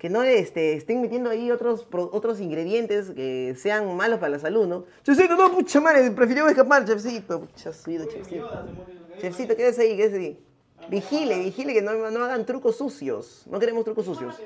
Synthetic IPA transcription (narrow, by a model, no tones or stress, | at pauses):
ke̞noest̪eːst̪eŋmet̪je̞nd̪oajiot̪ɾospɾoʔot̪ɾos̬iŋɡɾe̞ðje̞nt̪e̞skese̞aŋmalospaɾalas̬aluðnot͡ʃes̬uit̪onoput͡ʃamaɾepɾefiɾimoeskapaɾt͡ʃefs̬it̪oput͡ʃasuiðot͡ʃefsit̪ot͡ʃefsit̪okeðesaikeesai | bixileβixilekenonoaɣant̪ɾukosːusjo̰snʔo̞ke̞ɾe̞most̪ɾukosːusjo̞̰s